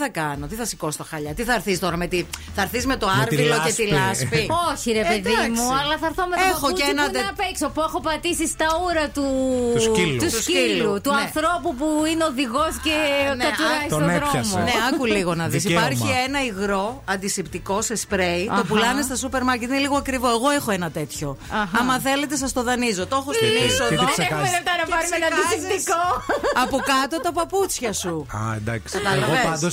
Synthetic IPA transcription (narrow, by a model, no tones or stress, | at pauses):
θɐkɐno̞t̪iθɐsi̥ko̞st̪ɐxɐʎɐt̪iθɐɾθist̪o̞ɾɐmet̪iθɐɾθizme̞t̪o̞ɐɾvilocet̪ilɐspioçiɾepeðimuɐlɐθɐɾθomeexoenɐeɐpeksopuexopɐt̪isist̪ɐuɾɐt̪usit̪usuilut̪uɐθɾopupuineoðiɣosceneɐt̪oneɾoɐmneɐkuliɣo̞nɐðis̬ipɐɾçienɐiɣɾo̞ɐnd̪isipt̪iko̞se̞spɾeit̪opulɐnist̪ɐsupe̞ɾmɐɾcet̪ineliɣoɐkɾivo̞e̞ɣo̞exoenɐt̪e̞t̪ço̞ɐɦɐmɐθe̞le̞t̪e̞s̬ɐst̪o̞ðɐnizo̞t̪o̞xost̪inisonosɐelep̚t̪ɐnɐpɐɾumenɐnd̪isipt̪ikoɐpokɐt̪o̞t̪ɐpɐput͡sçɐsuɐ̰nd̪ɐksɐt̪ɐloeɐd̪os